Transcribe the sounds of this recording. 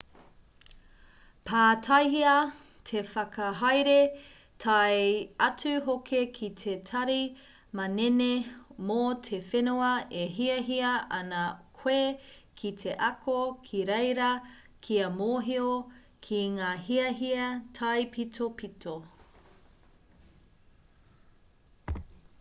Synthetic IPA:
pʰaːtʰɐjɦiɐ | tʰefɐkɐɦajɾe | tʰɐjɐt͡sʉɦokʰekʰitʰetʰɐɾi | mɐnenemotʰefenuɐeɦiɐɦiɐʔɐnɐkʰwekʰitʰe̞ʔɐkʰokʰiɾejɾɐ | kʰiɐmoːɦio | kʰiŋaːɦiɐɦiɐtʰɐjpʰitʰopitʰo

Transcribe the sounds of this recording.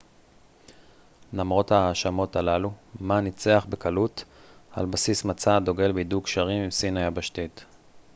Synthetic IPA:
lamʁo̞thaːʃamo̞t̪alalumanit͡seaχbekalutha̰lbasismat͡sad̪o̞ɡe̞lbidukʃaʁimimsinajabaʃt̪it

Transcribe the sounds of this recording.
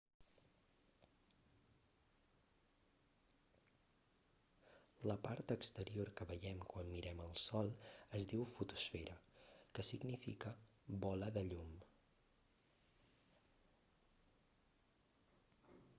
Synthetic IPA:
ləpaɾt̪əkst̪əɾioɾkəβəjɛmkwanmiɾɛməlˠsɔlˠəzd̪iwfut̪usfeɾəkəsiɡnifikəbɔləðəʎum

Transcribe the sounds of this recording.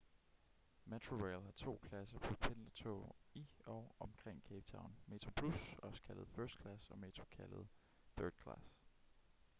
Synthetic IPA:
mæt͡sʰʁoʁeɪlhɑ̈t͡sʰo̝̰ːkʰlæsɐpʰɒ̽pʰenlɐt͡sʰo̰ːiɒʔɒ̽mkʰʁeŋ̰kʰeːb̥t͡sʰɑ̈ʊnme̝t͡sʰʁopʰlusɒ̽skʰælð̞̩ˠfɜɐsd̥̚kʰlæsɒ̽me̝ːt͡sʰʁo̥kʰæləð̞̩ˠ | θœɐd̥̚kʰlæs

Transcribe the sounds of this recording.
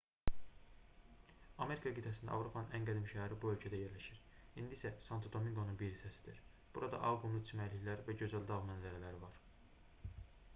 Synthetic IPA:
ɑme̞ɾikʰɑɡit̪ʰæs̬ind̪æɑ̰vɾo̞pʰɑnɯnænɡæd̪imʃææɾibuø̞lcʰæd̪æje̞ɾlæʃiɾind̪iːsæsɑnt̪ʰod̪omiŋɡonunbiɾisæsi̥d̪iɾ | b̥uɾɑd̪ɑ̰ʔɑlˠɡumlˠut͡ʃ̪ʰimæliçlæɾvæɟø̞zæld̪ɑɣmænzæɾælæɾivɑɾ

